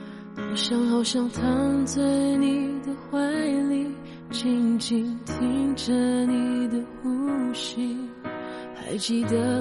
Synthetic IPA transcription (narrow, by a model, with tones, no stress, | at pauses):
ɑ˨˩ɕjɑ˥ŋxɑ˨˩ʊɕjɑ˥ŋt̪ʰɑ˧˥ŋt͡swe˥˧ɪɪni˨˩d̪ə˧xwa˧˥ɪli˧˥ | t͡ɕi˥˧ŋt͡ɕi˧ŋt̪ʰi˧˥ŋʈ͡ʂə˧ni˨˩d̪ə˧xu˥ɕi˧ŋ | a˧˥ɪt͡ɕi˧˩d̪ə˨˧